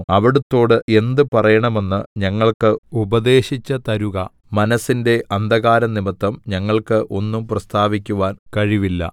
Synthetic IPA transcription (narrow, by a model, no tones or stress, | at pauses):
ɐʋiɽɐt̪ːo̞ːɽɨʔe̞nd̪ɨpɐrɐjɐɳɐme̞nːɨɲɐŋːɐɭkɨubɐd̪e̞ːɕit͡ɕːɐt̪ɐɾuɣɐ | mɐnɐsːinde̞ɐnd̪ɐɣaːɾɐnimɐt̪ːɐmɲɐŋːɐɭkɨʔo̞nːumprɐst̪ʰaːʋikʲːuʋaːnkɐɻiʋilːɐ̰